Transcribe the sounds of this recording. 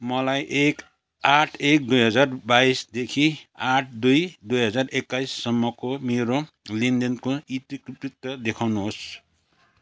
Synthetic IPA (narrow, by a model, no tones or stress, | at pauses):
mʌlajʔek | aʈʰek̚d̪ujɦʌd͡zarbaisd̪ekʰiaʈʰd̪ujd̪ujɦʌd͡zarekːaisːʌmːʌkomeɾo | lind̪ʌnkoit̪ikriprit̪ːʌd̪ekʰawnuɦos